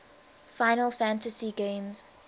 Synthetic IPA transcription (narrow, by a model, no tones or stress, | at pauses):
faɪnəlˠfæ̃ntəsiɡẽɪ̃mz̥